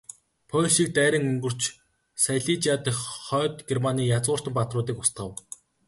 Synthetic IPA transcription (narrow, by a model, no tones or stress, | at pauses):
pʰɔɮʃiːk̚t̪æːɾʲɪ̆ŋɵŋɡɵ̆r̥t͡ɕ | sajɮit͡ɕat̪χœːt̪ɡermaniːjat͡sʊːr̥t̪ə̆mpat̪rʊːt̪̬iːkʊst̪̚ɢə̆w